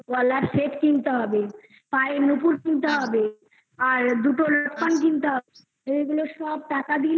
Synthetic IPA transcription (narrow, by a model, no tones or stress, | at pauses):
ɔlaɾseʈkint̪aɦɔbe | paenupuɾkint̪aɦɔbe | aɾd̪uʈoloʈpankint̪aɦɔbe | eɡuloʃɔb̚ʈakad̪il